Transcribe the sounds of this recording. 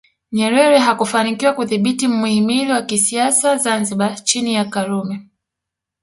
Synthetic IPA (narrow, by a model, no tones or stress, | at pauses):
ɲɛɾɛɾɛɦakufanikiwakuðiɓitim̩muhimiliwakisiasazanziɓat͡ʃinijakaɾumɛ